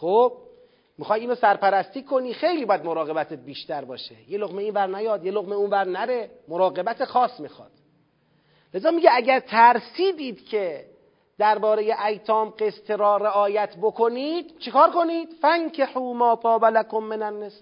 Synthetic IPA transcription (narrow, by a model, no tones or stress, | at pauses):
xob̥̚ | mixɒːj̪iːnosæɾpæɾæst̪iːkʰo̞niːxe̞jliːbɒːjæd̪mo̞ɾɒːɣe̞bæt̪ʰebiːʃt̪æɾbɒ̰ːʃḛjeloɣmeiːnvæɾnæjɒːd̪jeloɣmeuːnvæɾnæɾe̞moɾɒːɣe̞bæt̪ʰexɒːsmixɒ̰ːd̪̥ | le̞zɒːmiɟeæɟæɾt̪ʰæɾsiːd̪iːd̪̥cʰe̞ | d̪æɾbɒːɾe̞je̞ʔæjt̪ʰɒːmɢe̞st̪ʰeɾɒːɾe̞ʔɒːjæt̪ʰbo̞kʰo̞niːd̪̥t͡ʃʰekɒːɾko̞niːd̪̥fæŋkʰeħuːmɒːpʰɒːbælækomːenænːes